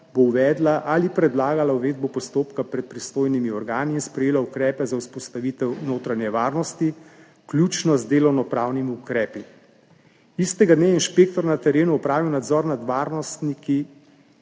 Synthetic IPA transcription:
bowʋɛːd̪laʔalipɾɛd̪laːɡalawʋeːd̪̚bɔpɔst̪oːpkapɾɛt̪̚pɾist̪oːjnimiɔɾɡaːniːnspɾɛjeːlaukɾɛːpɛzauspɔst̪aʋiːt̪ɛwnoːt̪ɾanjɛʋaːɾnɔst̪i | klʲjuːt͡ʃnɔzd̪eːlɔwnɔpɾaːwnimiukɾɛːpi | ist̪ɛɡad̪neainʃpeːkt̪ɔɾnat̪ɛɾeːnuɔpɾaːʋiwnad̪zɔːɾnad̪ʋaːɾnɔst̪niki

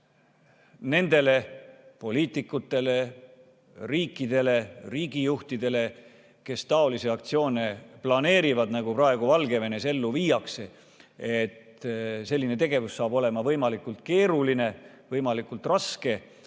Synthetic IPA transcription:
ne̞nd̪e̞le̞po̞liːt̪ˑikːˑut̪ːˑe̞le̞ | riːkˑːid̪e̞le̞riːɡijuht̪id̪̥e̞le̞ | ke̞st̪ɑo̞liseɑkt̪sio̞ːne̞plɑne̞ːɾivɑd̪̥næɡuprɑe̞ɡ̥uvɑlɡe̞ve̞ne̞se̞lːuviːjɑkse̞ | et̪ | se̞lːine̞t̪e̞ɡe̞vusːɑːbo̞le̞mɑvɤjmɑlikult̪̚ke̞ːɾuline̞ | vɤjmɑlikult̪rɑske̞

